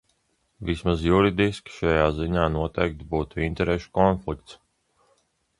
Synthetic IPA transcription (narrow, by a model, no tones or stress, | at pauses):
vismazjuɾid̪iskʲi̥ʃajaːziɲaːnuɔt̪ɛjk̚t̪buːt̪uint̪ɛɾeʃu̥kɔnflik̚t̪s